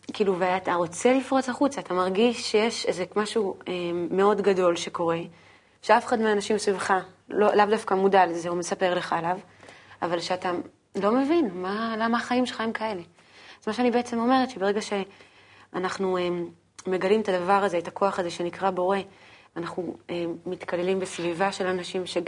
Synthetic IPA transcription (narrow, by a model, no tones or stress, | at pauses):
kiːluveataʁo̞t͡se̞lifʁo̞t͡saχut͡saːt̪amaʁɡiʃːejeʃezekmaʃuemːeo̞dɡado̞lʃe̞ko̞ʁe̞ | ʃeafeχad̪meanaʃimsvivχa | lolavdafkamudalezeume̞sape̞ʁle̞χaelav | avalʃeata | lo̞me̞vinmalamaːχaimʃeχaemkae̞le̞ | az̥maʃeanibe̞et͡semo̞me̞ʁet̪ʃe̞be̞ʁe̞ɡaʃe̞ | anaχnuem | me̞ɡalimet̪adavaʁaze̞et̪ako̞aχaze̞ʃe̞nikʁabo̞ʁe̞ | anaχnuemit̪kale̞limbesvivaʃe̞lanaʃimʃe